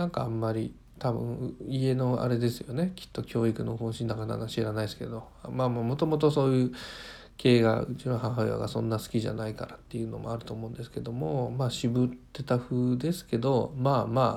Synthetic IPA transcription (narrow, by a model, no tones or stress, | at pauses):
nãŋkaamːaɾʲi | t̪abɯ̟̰̃ŋie̞no̞a̰ɾe̞d̪e̞sɨjo̞ne̞kʲi̥t̪ːo̞kʲo̞ːikɯ̟nohõɕĩnːakana̰naɕiɾanaisɨ̥ke̞̰d̪o̞ | maːmaːmo̞t̪o̞mo̞t̪̬o̞so̞ːjɯ̟ː | kʰe̞ːɡa̰ɯt͡ɕiɾõɦãɦaja̰ɡasõ̞̰nːasɨ̥kʲiʑa̰naika̰ɾat̪ːejɯ̟ːno̞̰mo̞aɾɯ̟t̪o̞ːmo̞ɯ̟̃nd̪esɨ̥ke̞d̪o̞mo̞maːɕibɯ̟t̪ːe̞t̪aɸɯ̟ːd̪e̞sɨ̥ke̞d̪o̞maːmaː